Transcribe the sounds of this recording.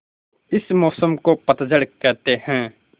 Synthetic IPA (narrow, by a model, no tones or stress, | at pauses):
ɪsmɔːsəmkopət̪d͡ʒəɽkːɛːt̪eɦɛ̃ː